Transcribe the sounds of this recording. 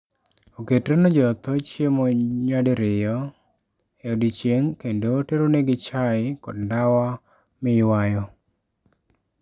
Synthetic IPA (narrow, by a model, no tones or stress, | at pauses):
oketɾenɔd͡ʒɔt̪ɔt͡ʃjemoɲwadeɾɪjɔ | eodit͡ʃjeŋkendoteɾoneɡɪt͡ʃaɪkɔdndawa | mɪwajɔ